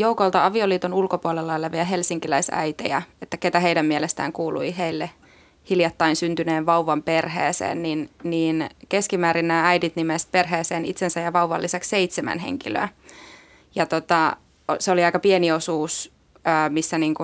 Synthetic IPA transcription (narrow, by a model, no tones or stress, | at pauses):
joukolt̪ɑɑʋioliːt̪onulkopuolelːɑelːeʋiæɦelsiŋkilæisæ̰jt̪ḛjɑet̪ːæket̪æɦeidæmmiɛlest̪æ̰ːŋkuːlṵiɦeilːe | hiljɑt̪ːɑinsynt̪yneːʋʋɑuʋɑmpe̞rɦḛːsḛːnninniːnke̞skimæːɾinːæːæjdit̪nimest̪̚perɦeːseːnit̪sensæjɑʋɑuʋɑ̰lːiseksseit̪semæ̰nɦḛŋkilø̰ː | jɑt̪ot̪ɑ | seoliɑijkɑpieniosuːsː | misːæniːŋku